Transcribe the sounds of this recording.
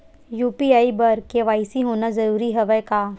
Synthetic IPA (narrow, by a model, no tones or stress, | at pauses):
juːpiaːibɐɾkeʋaːisiɦoːnazɐɾuːɾiɦɐʋəkaː